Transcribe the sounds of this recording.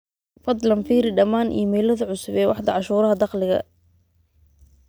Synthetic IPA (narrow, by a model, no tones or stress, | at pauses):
fɐd̪lɐnfiːɾɪɖɐmaːnʔḭjmɛːlɐðʊʕʊsʊβɛːwɑħd̪ɐʕɑʃuːɾɐɦɐd̪ɑqlɪɣɐ̰